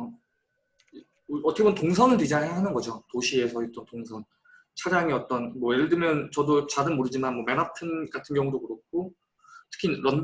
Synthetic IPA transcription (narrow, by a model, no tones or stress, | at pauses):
ʌtʰʌkebʌntoŋsʰʌnɯɭid͡ʑaŋeɦanɯnɡʌd͡ʑotoɕʰie̞sʰʌit͈ʌntoŋsʰʌn | t͡ɕʰad͡ʑaŋiʌt͈ʌnmwʌjeɯɭdɯmjʌnt͡ɕʌdot͡ɕadɯnmoɾɯd͡ʑimanmwʌmenapʰɯnɡatʰɯnɡjʌŋudokuɾok͈̚ʰo | tʰɯ̥kʰinɾʌn